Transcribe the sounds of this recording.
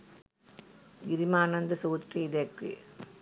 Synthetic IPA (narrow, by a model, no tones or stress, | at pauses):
ɡɪɾɪmaːnɐnd̪ɐsoːt̪riːd̪ekːḭ